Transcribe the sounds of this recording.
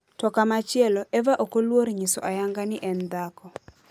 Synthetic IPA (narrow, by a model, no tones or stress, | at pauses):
tɔkamat͡ʃɪɛlɔʔɛvaʔokolwoɾɲiso̰ʔajaŋɡanɪʔɛnd̪akɔ